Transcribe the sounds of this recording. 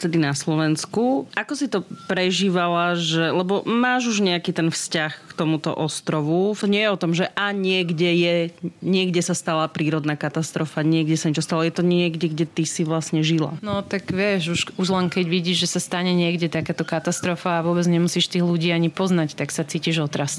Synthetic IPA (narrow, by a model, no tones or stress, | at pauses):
t̪ɛd̪inaslɔʋɛnskuʔakɔsit̪ɔpɾɛʒiːʋalaʒɛlɛbɔmaːʒuʒɲɛakiːt̪ɛnfscaxkt̪ɔmut̪ɔ̰ʔɔst̪ɾɔʋut̪ɔɲɪɛjɛɔt̪ɔmʒɛʔaɲɪɛɡɟɛjɛɲɪɛɡɟɛsast̪alapɾiːɾɔd̪naːkat̪ast̪ɾɔfaɲɪɛɡɟɛsaɲɛt͡ʃɔst̪alɔjɛt̪ɔɲɪɛɡɟɛɡɟɛt̪isiʋlasɲɛʒila̰nɔt̪aɡʋɪɛʃuʃuʒlɛnkɛɟʋiɟiːʒʒɛsast̪aɲɛɲɪɛɡɟɛt̪akaːt̪ɔkat̪ast̪ɾɔfaːʋʊɔbɛd͡zɲɛmusiːʃt̪iːɣluɟiːaɲipɔznact̪aksat͡siːciʒɔt̪ɾas